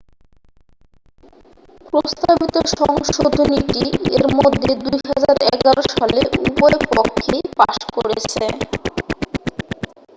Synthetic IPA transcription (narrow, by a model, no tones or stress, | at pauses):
pɾost̪abit̪oʃɔŋʃod̪ʱoniʈieɾmod̪ʱːed̪ujɦad͡ʑaɾɛɡaɾoʃaleupɔepokʰːepaʃkoɾet͡ɕʰe